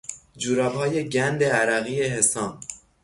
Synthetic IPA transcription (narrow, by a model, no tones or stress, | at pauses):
d͡ʒuːɾɒːbhɒːje̞ɟænd̪eæɾæɣiːeɦesɒːm